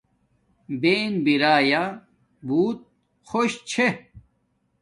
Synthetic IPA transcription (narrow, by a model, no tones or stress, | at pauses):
beːnbiɾaːja | buːt̪̚ | xoɕt͡ɕʰe